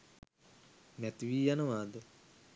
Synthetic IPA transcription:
mɛt̪ʋiːjanəʋaːd̪ə

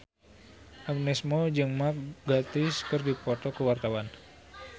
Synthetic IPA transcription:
ʔaɡ̚nɛsmod͡ʒɨŋmak̚ɡat̪ɪskɨrdipɔt̪ɔkəwart̪awan

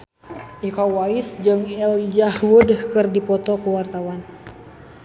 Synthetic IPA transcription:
ʔikawaisd͡ʒɨŋɛlid͡ʒahwudkɨrdipɔt̪ɔkəwart̪awan

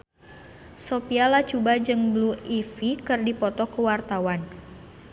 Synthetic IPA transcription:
sopialat͡ʃubad͡ʒɨŋbluifikɨrdipɔt̪ɔkəwart̪awan

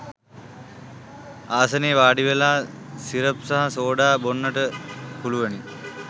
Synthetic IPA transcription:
aːsəneːʋaːɖiʋelaː | siɾəpsaɦasoːɖaːbonːəʈəpuluʋəni

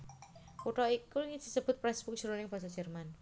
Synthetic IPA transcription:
puʈɔikuŋi̥d͡ʒ̥i̥səb̥ʊ̤t̪̚pɾɛsb̥uk̚ʒ̥uɾunɪŋb̥as̬ɔd͡ʒ̥ərman

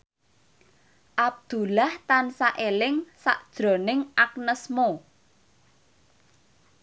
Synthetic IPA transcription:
ʔab̚d̪̥ṳlaht̪ansaʔelɪŋsa̰ʔd̥ʒ̥ɾo̤nɪŋʔak̚nəsmo

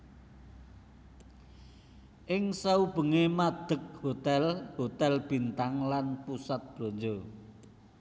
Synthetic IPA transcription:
ʔɪŋsaub̥ə̤ŋemad̪̥ə̤k̚hot̪ɛlhot̪ɛlb̥i̤nt̪aŋlanpusat̪̚b̥lo̤ɲd͡ʒo

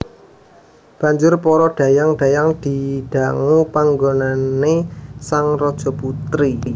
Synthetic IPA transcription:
b̥a̤ɲd͡ʒʊrpɔɾɔd̥ä̤jaŋɖ̥ä̤jaŋd̪̥i̤ɖ̥a̤ŋupaŋɡonanesaŋrɔd̥ʒ̥ɔ̤put̪ɾi

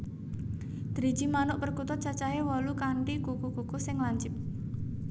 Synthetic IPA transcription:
d̪̥ɾi̥d͡ʒimanʊʔpərkut̪ʊt͡ʃat͡ʃaɦewɔlukaɳʈikukukukusɪŋlaɲt͡ʃɪp̚

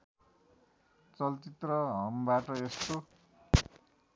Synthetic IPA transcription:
t͡sʌlt͡sit̪rʌɦʌmbaʈʌest̪o

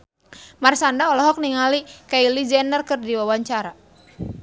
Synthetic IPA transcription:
marsandaɔlɔɦɔk̚niŋalikailid͡ʒɛnərkɨrdiwawaɲt͡ʃaɾa

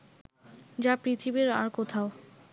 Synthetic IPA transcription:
d͡ʑapɾit̪ʰibiɾa̰ɾkot̪ʰao

